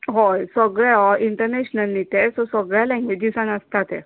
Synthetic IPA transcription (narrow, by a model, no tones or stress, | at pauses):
ɦɔjsəɡɭɛɦɔʔiɳʈəɾneɕnəlːit̪esosəɡɭjalɛ̃ŋɡʋed͡ʑisanəst̪at̪e